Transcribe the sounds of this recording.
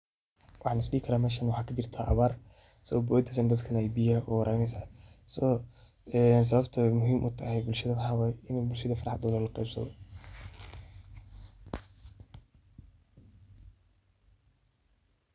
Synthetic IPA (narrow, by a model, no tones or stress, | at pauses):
wɑħɑːnɪsliːkʰɐɾaːmɛːʃɐnwħɑːkʰɐt͡ʃɪrt̪ʰaːʔɐ̰βaːr | sɐɐbɔːd̪ɐsɐnd̪ɐd̪kʰɐnɛjbijɐʔuɾʔɛjnɛjsaːsɔ | ɛːns̬ɐβɐbt̪ʰɐmʊɦiːmʔʊ̰t̪ʰɐhɛjbʊlʃɐðɐmħɑwaːjɪnubʊlʃɐðɐfɑɾɑħɑd̪ɔlɔlɑqɛ̰jbsɐ̰ðɔ̰